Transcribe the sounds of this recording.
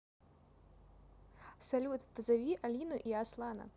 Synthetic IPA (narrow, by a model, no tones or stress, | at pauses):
sɐlʲut̪pzɐvʲiʔɐlʲinʊʔiaslˠɑnɐ̰